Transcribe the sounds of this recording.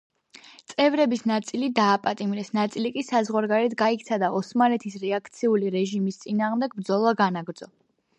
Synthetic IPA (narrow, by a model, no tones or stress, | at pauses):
t̪sʼɛvɾɛbisnat̪sʼilid̪aːpʼat̪ʼimɾɛsnat̪sʼilikʼisazʁwaɾɡaɾɛt̪ʰɡaikʰt̪sʰad̪aɔsmalɛt̪ʰisɾɛakʰt̪sʰiuliɾɛʒimist̪sʼinaːʁmd̪ɛɡ̚bɾd̪zɔlˠaɡanaɡɾdzɔ